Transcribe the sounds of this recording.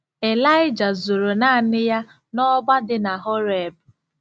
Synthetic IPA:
e˨la˦ɪ˦d͡ʒa˨zu˨ɾo˨na˦˨nɪ˦ja˦ | nɔ˦ba˦dɪ˦na˨ɦɔ˦ɾe˨b̚

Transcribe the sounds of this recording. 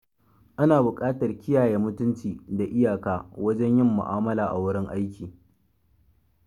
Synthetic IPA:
ʔa˦naː˨bʊ˨kʼaː˦tɐ˨rkʲɪ˦jaː˨jeː˦mʊ˦tʊ˦nt͡ʃiː˨da˨ʔɪ˦jaː˨kaː˦wɐ˦d͡ʒɛ˦ɲjɪ˦˨mːʊ̰˨ʔaː˦mɐ˦laː˨ʔa˨wʊ˦ɽɪ˦ŋʔa˦jkʲiː˨

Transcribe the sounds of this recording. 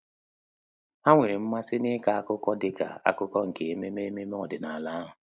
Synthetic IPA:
a˦ŋʷe˨ɾi˨m̩˦ma˦sɪ˦nɪ˦ka˨a˦kʊ˦kɔ˦dɪ˦ka̰˨a̰˦kʊ˦kɔ˦ŋ̩˨ke˨e˦me˦me˦e˦me˦me˦ɔ˨dɪ˨na˨a˨la˦a˦ɦʊ˨

